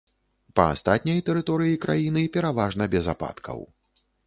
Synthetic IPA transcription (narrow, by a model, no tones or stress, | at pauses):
pɐ̰a̰st̪at̪ʲnʲɐjt̪ɛɾɨt̪ɔɾɨjikɾajinɨpʲɛɾavaʐnɐbʲɛzapa̰t̪kʰɐ̰w